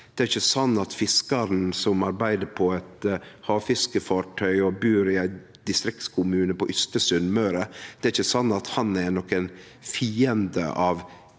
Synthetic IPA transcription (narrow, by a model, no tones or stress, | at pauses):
d̪̥ɛæɾɪçːəsɑnːɑt̪fɪskɑɾn̩sɔmɑɾbæɪd̪əɾpʰɔɛt̪hɑːʋfɪskəfɑːʈʰœʏɔbʉːɾɪæɪ | d̪̥ɪst̪ɾɪkt̪skʰʊmʉːnəpɔʔʏst̪əsʉnmœɾəd̪̥ɛæɾɪçːəsɑnːɑt̪hɑnæɾnɔkːɛn | fiːənd̪ə̰ʔɑːʋ